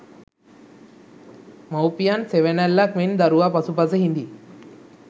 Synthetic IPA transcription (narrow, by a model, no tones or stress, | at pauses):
mawpijanseʋenælːakmend̪aɾuʋapasupas̬əɦind̪i